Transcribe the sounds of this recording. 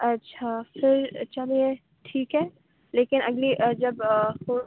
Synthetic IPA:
ɐtːʃʰafɪɾt͡ʃaliẽ | ʈʰiːkɦɛː | leːkɪnʔɐɡliʔəd͡ʒɐbho

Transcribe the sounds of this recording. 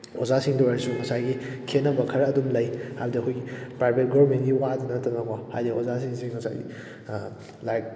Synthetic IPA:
ozasiŋdoaɾisumɐsajɡikʰenːɐbɐkʰɐɾɐːdumlɐjhajbudiɐkʰojɡipɾajbʱet̚ɡoɐɾmentɡiwadunɐtʰɐnakɔhajdiozasiŋsiŋmɐsa̰jɡḭ | lajk̚

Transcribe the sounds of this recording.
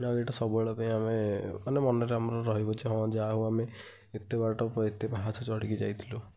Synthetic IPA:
naɡeʈɔsɔbɔeɭɔpaĩamemanemɔnɔɾeamɔɾɔɾɔɦibɔt͡ʃʰiɦɔ̃d͡ʒaɦũameː | t̪ebaʈɔpɔet̪ebaɦat͡ʃʰɔt͡ʃɔɽikid͡ʒa̰jt̪ʰilu

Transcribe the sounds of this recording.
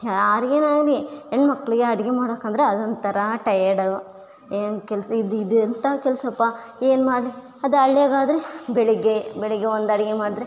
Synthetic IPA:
aːɾeːnaːdlienːmɐkːɐɭiɡeɐɽɐɡemaːɽoːkɐnd̪ɐɾeɐd̪ond̪t̪ɐɾɐʈɐjɐɽɐ | eːnkɛlsɐid̪id̪ɐnt̪ɐkɛlsɐpːa | eːnmaːɖli | ɐd̪uɐɭːeːɡaːd̪ɐɾebeɭiɡebeɭiɡeond̪ɐɽɐɡemaːɽid̪ɐɾe

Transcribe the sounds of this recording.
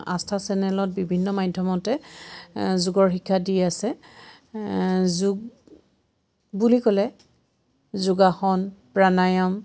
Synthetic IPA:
a̰stʰasɛnɛlɔt̚bibʱinːɔmajdʱjɔmɔtɛ | zuɡɔɹxikʰːadiasɛ | zuɡ | bulikɔlɛ | zuɡaxɔnpɹanajɔm

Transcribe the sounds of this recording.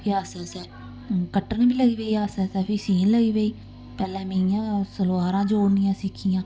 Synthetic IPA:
iaːsɛːsɛː | kəʈːənbiːləɡiːʋeːiːaːsɛːsɛːpʰiːsiːnləɡiːʋeːiː | pɛːlɛ̃ːmẽijãːsəlːaːɾãːd͡ʒoːnijãːsɪkʰːijãː

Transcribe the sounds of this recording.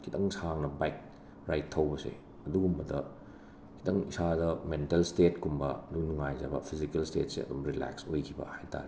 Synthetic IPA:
kʰitɐŋsaŋnɐbajk̚ | ɾajtʰːɐwbɐsḛ | ɐduɡumbɐdɐ | kʰitɐŋisadɐmentelstetkumbɐ̰ɐdunuŋajza̰bɐ̰pʰizikelstet̚sḛɐ̰dumɾila̰ksojkʰibɐ̰hajta̰ɾe

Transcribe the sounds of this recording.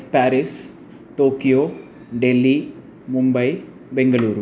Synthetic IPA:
paːɾis | ʈoːkijoː | ɖelːi | mʊmbɐj | bɛŋɡɐluːɾ

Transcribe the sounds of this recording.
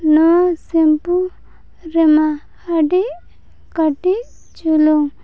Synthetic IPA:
nosempu | ɾemaː | ɖi | kɐʈi | t͡ʃuloŋ

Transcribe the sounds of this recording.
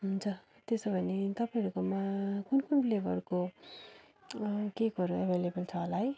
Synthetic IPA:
ɦund͡zʌ | t̪esobʱʌnet̪ʌpaĩɾukomakunkunplebʱʌrko | keɡʌɾuʌbʱelebʌlt͡sʰʌːlaj

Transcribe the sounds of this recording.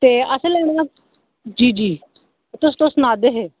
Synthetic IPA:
t̪eːəsẽlɛːɽ̃a | d͡ʒiːd͡ʒiː | t̪ʊs̬t̪osnaːd̪eːɦeː

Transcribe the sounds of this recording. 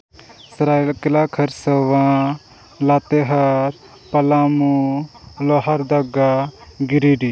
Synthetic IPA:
sɾalkilakʰɐɾsəʋã | lat̪eɦɐɾ | pɐlamuloɦəɾd̪ɐɡaɡiɾiɖi

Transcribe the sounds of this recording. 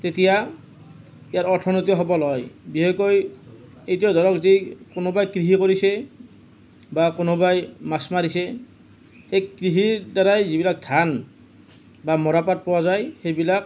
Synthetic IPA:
tetija | ijaɹɔɹtʰɔnotiɔɦɔbɔlɔjbiɦekoj | ejtiɔdʱɔɹɔkzikonobajkɹiɦikoɹisɛ | bakonobajmasmaɹisɛ | xejkɹiɦiɹdaɹajzibilak̚dʱan | bamɔɹapat̚pɔwazajxejbilak̚

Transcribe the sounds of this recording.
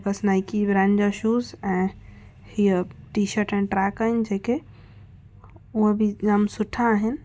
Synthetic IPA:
bəsnajkibɾãnd͡ʒaʃusɛ̃ | hiəʈiʃəɾʈɛ̃nʈɾakənd͡ʒeke | uəbʱid͡ʒamsuʈʰaɦɛn

